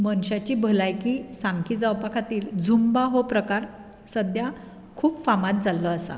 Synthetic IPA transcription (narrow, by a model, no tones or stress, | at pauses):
mənɕat͡ɕiːbʱəlajkiːsamkʰiːd͡zawpakʰat̪iːld͡zumbaɦopɾəkaɾ | səd̪ja | kʰuːpfamat̪̚d͡zalːɔasa̰